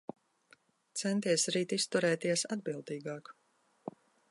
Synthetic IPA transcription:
t̪sɛnt̪iɛsɾiːt̪ist̪uɾɛːt̪iɛsad̪bilˠd̪iːɡɑːk

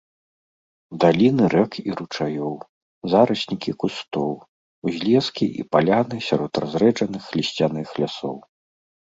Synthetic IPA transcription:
d̪alʲinɨɾʔɛkiɾut͡ʂajɔw | zaɾɐsʲnʲikʲikust̪ɔw | uzʲlʲɛskʲiʔḭpalʲanɨsʲaɾɔt̪ra̰zɾɛd͡ʐɐnɨxːlʲisʲt͡sʲanɨxlʲasɔw

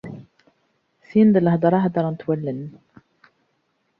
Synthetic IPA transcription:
sind̪ələhd̪ɑɾˤɑɦd̪ɑɾˤɑnət̪wælːən

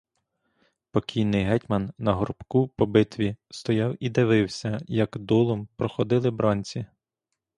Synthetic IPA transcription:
pɔkʲʰijnɪjɦɛtʲmɐnːɐɦɔɾʊpkupɔbɪt̪ʋʲist̪ɔjɑwid̪ɪʋɪwsʲɐjɐkd̪ɔlˠɔmpɾɔxɔd̪ɪlˠɪbɾɑnʲt͡sʲi

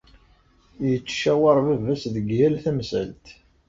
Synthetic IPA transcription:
jət͡sːʃæwɑɾˤvəvæsðəɡjælθæmsæ̰lt̪

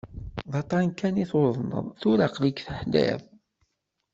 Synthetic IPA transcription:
ðˤɑt̪ˤɑnkːæniθoðˤnə̰ðˤθuɾaqlikθəħd̪æ̰ð

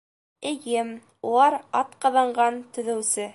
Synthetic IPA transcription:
ɘ̆jɘm | ulˠɑɾɑt̪qɑ̆ðɑɴɢɑnt̪ɵ̆ðɘ̆wsɘ

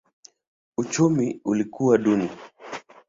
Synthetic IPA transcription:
ut͡ʃumiulikuwaɗuni

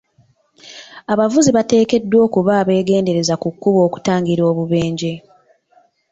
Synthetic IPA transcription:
aβavuziβate̞ːke̞dːwo̞ːkuβaːβe̞ːɡe̞ːnde̞ɾe̞zakukːuβo̞ːku̥taːŋɡiɾo̞ːβuβe̞ːɲɟe̞

